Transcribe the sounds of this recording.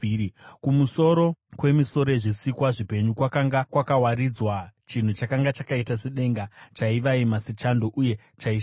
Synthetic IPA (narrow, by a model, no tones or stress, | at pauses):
kumuso̞ɾo̞kwe̞miso̞ɾeʐisikwaʐipe̞ɲukwakaŋɡakwakawaɾid͡zwat͡ʃin̤ut͡ʃakaŋɡat͡ʃakaitaseɗe̞ŋɡat͡ʃaiʋaimasit͡ʃando̞ʔuje̞ | t͡ʃai